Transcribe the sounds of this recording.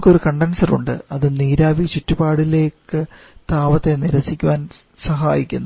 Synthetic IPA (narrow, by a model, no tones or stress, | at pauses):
kːo̞ɾukɐɳɖɐnsɐrṵɳɖɨ̰ɐðɨniːɾaːʋit͡ɕitːubaːɽile̞ːkːɨ | t̪aːʋɐt̪ːeniɾɐsikʲːuʋaːn | sɐɦaːjikʲːunː